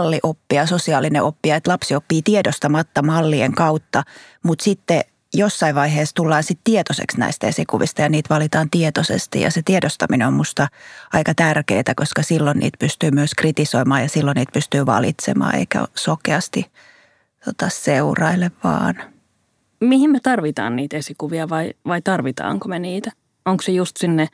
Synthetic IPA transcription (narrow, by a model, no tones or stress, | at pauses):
lːiʔopːiɑsosiɑːlːineʔopːiɑet̪lɑpsiopːiːt̪iedost̪ɑmɑt̪ːɑmɑlːieŋkɑut̪ːɑmut̪sit̪ːe | josːɑiʋʋɑiheːst̪ulːɑːsit̪t̪iet̪osḛksnæ̰ist̪æesikuʋist̪ɑjɑniːt̪ʋɑlit̪ɑːnt̪iet̪osḛst̪ḭjɑ̰set̪iedost̪ɑmineommust̪ɑɑikɑt̪ærkḛːt̪ækoskɑsilːonnʔḭːt̪pyst̪yːmyøskrit̪isoimɑːjɑsilːonniːt̪̚pyst̪yːʋɑ̰lḭt̪sḛmɑ̰ːḛikæ̰sokeɑst̪i | t̪ot̪ɑseurɑilːeʋʋɑ̰ːn | mihimmet̪ɑrʋit̪ɑ̰ːnniːt̪esikuʋiɑʋɑiʋɑit̪ɑrʋit̪ɑ̰ːŋkomeniːt̪æ | oŋksejust̪sinːe